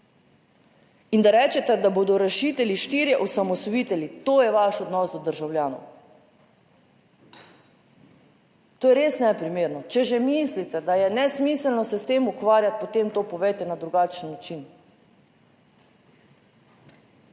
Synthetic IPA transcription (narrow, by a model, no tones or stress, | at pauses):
ind̪aɾɛːt͡ʃɛt̪ɛd̪aboːd̪ɔɾaʃiːt̪ɛliʃt̪iːɾjɛʔɔsamɔsɔjit̪ɛlit̪oːjɛʋaʃɔd̪nɔsd̪ɔd̪əɾʒawljaːnɔ̰w | t̪oːjɛɾeːsnɛpɾimeːɾnɔt͡ʃɛʒɛmislit̪ɛd̪ajɛnɛsmiːsəlnɔsɛst̪eːmukʋaːɾjat̪̚pɔt̪emt̪oːpɔʋɛjt̪ɛnad̪ɾuɡat͡ʃənːat͡ʃin